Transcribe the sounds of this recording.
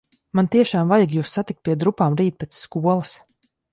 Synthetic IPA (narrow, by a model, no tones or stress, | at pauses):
mant̪iɛʃaːmvajaɡjuːsːat̪ik̪̚piɛd̪ɾupaːmɾiːt̪̚pɛt̪sːkuɔlˠəs